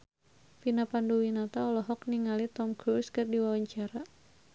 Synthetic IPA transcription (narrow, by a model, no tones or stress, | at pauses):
finapanduwinat̪aɔlɔɦɔk̚niŋalit̪ɔmkɾuskɨrdiwawaɲt͡ʃaɾa